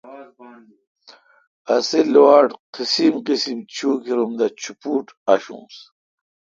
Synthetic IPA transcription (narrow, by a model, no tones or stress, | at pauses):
ɐsilwaːʈqisimqisimt͡ɕʰuːkiɾumd̪ɐt͡ɕʰupuːʈaɕṵ̃s